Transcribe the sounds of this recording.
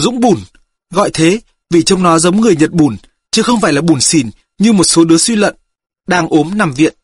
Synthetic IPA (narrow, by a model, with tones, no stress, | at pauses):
zʊ̰˧˥ŋ͡mɓu˧˩n | ɣɔ̰˧˨jt̪ʰe˨˦ | vi˨˩t͡ɕə˧wŋ͡mnɔ˨˦zə˨˦wŋ͡mŋɨ˨˩əjɲə˨˩t̚ɓu˧˩n | t͡ɕɨ˨˦xə˧wŋ͡mfaː˧˩jlaː˨˩ɓu˧˩nsi˧˩n | ɲɨ˧mo˨˩t̚so˨˦ɗɨ˨˦əswi˧lə̰˧˨n | ɗaː˧ŋʔo˨˦mna˨˩mvḭ˧˨ən